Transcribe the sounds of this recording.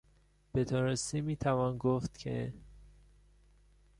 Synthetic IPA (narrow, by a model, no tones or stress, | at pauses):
b̥et̪ʰoːɾesimiːt̪ʰævɒːnɡoft̪cʰḛ